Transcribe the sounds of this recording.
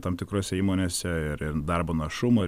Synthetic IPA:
t̪ɐmt̪ʲɪkɾoːsʲɛiːmoːnʲeːsʲɛɪɾɪrd̪ɐɾboːnɐʃʊmoː

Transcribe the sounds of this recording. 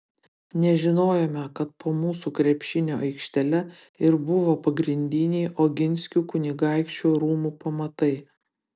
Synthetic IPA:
nʲɛʒʲɪnoːjomʲɛkɐt̪̚pʰoːmuːsuːkɾʲɛpʲʃʲɪnʲoːʔɐɪkʃʲt̪ʲɛlʲɛ | ɪɾbʊʋoːpɐɡɾʲɪnʲd̪ʲɪnʲɛɪʔoːɡʲɪnʲsʲkʲuːkʊnʲɪɡɑˑɪkt͡ʃʲuːɾuːmuːpɐmɐt̪ɐɪ

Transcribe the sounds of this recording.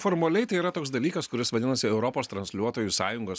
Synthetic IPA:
foːɾmɐlʲɛɪt̪ɐɪiɾɐt̪oːksd̪ɐlʲiːkɐskʊɾʲɪsʋɐd̪ʲɪnɐsʲɪɛʊɾɔpoːst̪ɾɐnsʲlʲuɔt̪oːjusɑːjʊŋɡoːs

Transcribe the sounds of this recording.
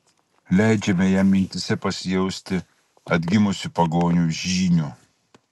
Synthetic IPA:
lʲæˑɪd͡ʒʲɛmʲɛjæːmʲːɪnʲt̪ʲɪsʲɛpɐsʲɪjɛʊsʲt̪ʲɪ | ɐd̪ʲɡʲɪmʊsʲʊpɐɡoːnʲuːʒʲiːnʲuː

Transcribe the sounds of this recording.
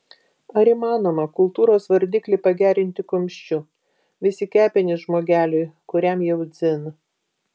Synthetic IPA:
ɐɾiˑmɑːnoːmɐkʊlˠt̪uːɾoːsʋɐɾʲd̪ʲiːklʲɛɪpɐɡʲæːɾʲɪnʲt̪ʲɪkʊmʲʃʲt͡ʃʲʊ | ʋʲɪsʲɪkʲæːpʲɛnʲɪsʒmoːɡʲæːlʲʊɪkʊɾʲɛmjɛʊd̪zʲɪn

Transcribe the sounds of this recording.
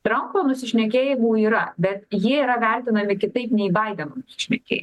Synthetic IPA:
t̪ɾɐmpoːnʊsʲɪʃʲnʲɛk̬ʲeːjɪmuːiːɾɐbʲɛt̪jiɛiːɾɐʋʲælʲt̪ʲɪnɐmʲɪkʲɪt̪ɐɪpnʲɛiːbɐɪd̪ʲɛnoːnʊsʲɪ̥ʃʲnʲɛkʲḛːjɪ

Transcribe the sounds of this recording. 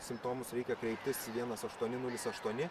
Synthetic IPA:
sʲɪmpt̪oːmʊsɾʲɛɪkʲɛkɾʲɛɪpt̪ʲɪsʋʲiɛnɐsɐʃt̪uɔnʲɪnʊlʲɪsɐʃt̪uɔnʲɪ

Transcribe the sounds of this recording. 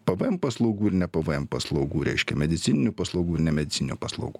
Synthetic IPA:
pɐʋɨɛmpɐslˠɐʊɡuːɪɾnʲɛpɐʋɨɛmpɐslˠɐʊɡuːɾʲɛ̰ɪʃʲkʲɛmʲɛd̪ʲɪt̪sʲɪnʲɪnʲuːpɐslˠɐʊɡuːɪɾnʲɛmʲɛd̪ʲɪtt͡s̪ʲɪnʲɪnʲuːpɐslˠɐ̰ʊɡuː

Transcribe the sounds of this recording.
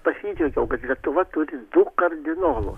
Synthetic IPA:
pɐsʲiːd͡ʒʲɛɡʲɛʊkɐt̪lʲiɛt̪ʊʋɐt̪ʊɾʲɪd̪ʊkɐrʲd̪ʲɪnoːlˠʊ̰

